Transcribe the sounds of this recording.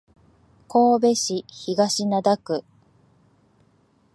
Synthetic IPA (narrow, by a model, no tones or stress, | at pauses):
ko̞ːbe̞ɕiçiɡaɕinad̪akɯ̟